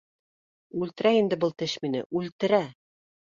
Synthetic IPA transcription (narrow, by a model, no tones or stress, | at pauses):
ʉlt̪ɘ̆ɾæind̪ɘbɤlˠt̪ɘʃminɘ̰ʔʉlt̪ɘ̆ɾæ